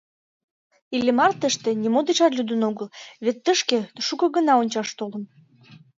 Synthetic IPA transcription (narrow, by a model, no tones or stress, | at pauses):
ilemɑrt̪əʃt̪enimod̪eʃɑrlʲyd̪ənoɣəlβet̪ːəʃkeʃukɤ̆ɣənɑonʲt͡ɕɑʃt̪olə̆n